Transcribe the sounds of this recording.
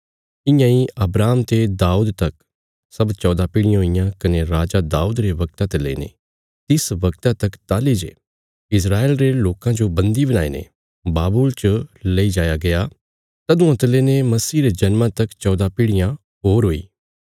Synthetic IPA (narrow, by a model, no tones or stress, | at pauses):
ɪjãiʔɐbɾaːmt̪ed̪aːuːd̪t̪ɐk | sɐbt͡ʃɔːd̪apɪɽɪjãɦoijãkɐneɾaːd͡ʒad̪aːuːd̪ɾeʋɐɡ̚t̪ãt̪elḛḭnḛ | t̪ɪsʋɐɡt̪ãt̪ɐkt̪aːlid͡ʒḛ | ɪsɾaːeːlɾeloːkãd͡ʒobɐ̃nd̪ibɐnaːḛnḛ | baːbuːlt͡ʃəleid͡ʒaːjaɡɐjaː | t̪ɐd̪ũɐt̪leːnemɐsiːɾed͡ʒɐnmãt̪ɐkt͡ʃɔːd̪apɪɽɪjã | ɦoːɾɦoːḭː